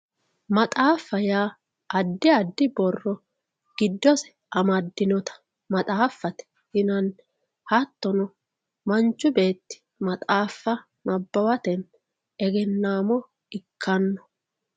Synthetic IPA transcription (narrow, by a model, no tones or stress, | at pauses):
mɐt̪ʼaːfːɐjaː | ɐd̪ːɪɐd̪ːɪbɔrːɔ | ɡ̥ɪd̪ːɔsɛ̥ | ʔɐmɐd̪ːɪnɔt̪ɐ̥ | mɐt̪ʼaːfːɐt̪ɛ̥ | hɪnɐn | hɐt̪ːɔnɔ | mɐnt͡ʃːʊbe̞ːt̪ːɪ̥ | mɐt̪ʼaːfːɐ | nɐbːɐwɐt̪ɛn | ɛɡɛnːaːmɔ | ɪkʰːɐnːɔ̥